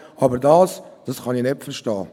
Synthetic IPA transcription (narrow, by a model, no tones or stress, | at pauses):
ɑbəɾdɑːsd̥ɑsχɑninetfəɾʃtɑː